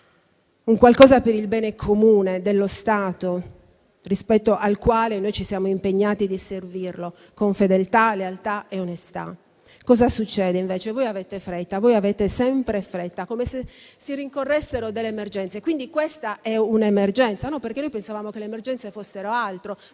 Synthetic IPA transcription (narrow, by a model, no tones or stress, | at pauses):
uŋkwalkɔːzapeɾilbɛːnekʰomuːned̪elːost̪aːt̪o | rispɛt̪ːoʔalkwaːlenojt͡ʃisjaːmoimpeɲːaːt̪id̪iservirlo | koɱfed̪elt̪alealt̪aeonest̪a̰ | kɔːzasut͡ʃːɛːd̪eiɱvɛːt͡ʃevojavɛːt̪efɾɛt̪ːavojavɛːt̪esɛmpɾefɾɛt̪ːakomesesiriŋkorːɛsːeɾod̪elːemerd͡ʒɛnt̪sekwind̪ikwest̪aʔɛunemerd͡ʒɛnt̪sanɔperkenojpensavaːmokelemerd͡ʒɛnt̪sefosːeɾoalt̪ɾo